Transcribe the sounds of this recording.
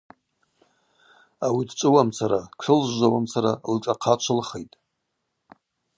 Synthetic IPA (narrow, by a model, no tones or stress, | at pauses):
awidt͡ʃʷʼɨwamt͡sʰaɾakʷʰɨlʒʒʷawamt͡sʰaɾalʈ͡ʂʷʼaqʰat͡ʃʷʰɨlχejtʼ